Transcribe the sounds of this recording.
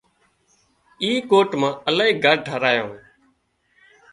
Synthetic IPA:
iːkoːʈmãːəlaːiːɡʱəɾɖʱəɾaːjõ̰ː

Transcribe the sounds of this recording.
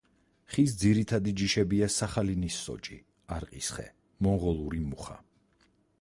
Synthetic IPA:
χisd̪ziɾit̪ʰad̪id͡ʒiʃɛbiasaχalinisːɔ̰t͡ʃʼḭ | aɾqʼisχɛ̰ | mɔŋʁɔlˠuɾimuχa̰

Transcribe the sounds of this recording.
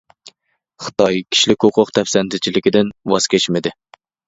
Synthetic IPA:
χɨ̥t̪ɑjkʲʰi̥ʃlɪkʲhʊqʰʊqt̪ʰɛfsɛnt̪ʰɪt͡ʃʰilɪkʲɪd̪ɪnwɑskʲʰet͡ʃmɪd̪ɪ

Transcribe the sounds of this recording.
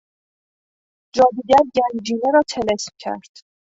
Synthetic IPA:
d͡ʒɒːd̪iːɟæɾɟænd͡ʒiːneɾɒːt̪ʰe̞le̞smcʲʰæ̰ɾd̪̥

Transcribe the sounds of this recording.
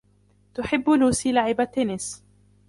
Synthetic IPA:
t̪ʊħɪbːluːsiːlaʕɪbat̪ːenɪs

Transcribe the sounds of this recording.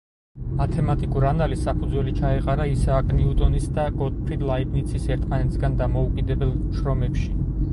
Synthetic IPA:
mat̪ʰɛmat̪ʼikʼuɾanalisːapʰud̪zwɛlit͡ʃʰaɛqʼaɾaisaːkʼniut̪ʼɔnisd̪aɡɔd̪̚pʰɾid̪lˠaibnit̪sʰisɛɾt̪ʰmanɛt̪ʰsɡand̪amɔukʼid̪ɛbɛlˠʃɾɔmɛpʃi

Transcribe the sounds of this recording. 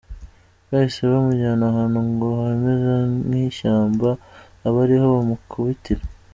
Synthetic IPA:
βaiseβamuɟaːnaɦaːnhuŋɡoaemezaniʃaːmbaː | βaɾiho̞βamukʰuβitiɾa

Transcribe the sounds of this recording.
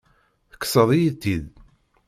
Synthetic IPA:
θə̥kːsˤəðˤijit̪ːið

